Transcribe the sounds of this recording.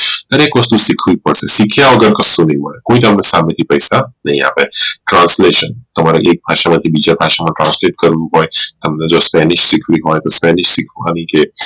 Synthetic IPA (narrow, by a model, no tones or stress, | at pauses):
t̪ɐɾekɔst̪usikʰuipəɽsesikʰijaɐɡəɾkɐsunimɔ̰ekõːĩt̪ɔɦəmnesaːmet̪ʰipɐjsanɐɦĩa̰ːpeʈɾãːnsleːʃənt̪ɔmaɾeʔeːk̚bʱaːʃamãt̪ʰibid͡ʒabʱaːʃamãʈɾãːnsleːʈ̚kəɾnuɦɔ̃ːjt̪ɐmned͡ʒospɛːnɪʃsikʰʋiɦɔ̃ːjt̪ɔspɛːnɪʃsikʰua̰nike